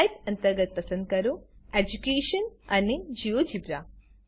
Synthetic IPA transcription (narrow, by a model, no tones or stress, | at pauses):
jt̪ɐnt̪ɐɾɡɐt̪̚pɐsɐnkɐɾued͡ʒukeːʃɐnɐnːid͡ʒiʋod͡ʒibɾa